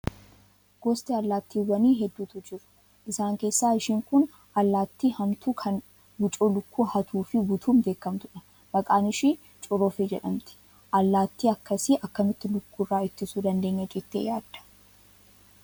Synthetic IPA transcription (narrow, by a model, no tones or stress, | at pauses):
ɡ̥ɔst̪ʼɛɐlːaːt̪ːiːwɐniːɦɛd̪ːuːt̪ʊd͡ʒɪɾʊ̥ | ʔɪsaːŋke̞ːsːaːɪʃiːŋkʊn | ʔɐlːaːt̪ːiːhɐmt̪ukʰɐn | bʊt͡ʃʼoːlʊkːuːhɐt̪ʰuːfɪbʊt̪ʰuːmd̪e̞ːkːɐmt̪ʊᶑɐ | b̥ɐkʼaːnɪʃi | t͡ʃʼʊɾoːfed͡ʒɛᶑɐmt̪ɪ̥ | ʔɐlːaːt̪ːiːɐkːɐsɪʔɐkːɐmɪt̪ːɪlʊkːuːrːaːɪt̪ːɪsud̪ɐnd̪e̞ːɲːɐd͡ʒɛt̪ːḛjaːd̪̥ːɐ̥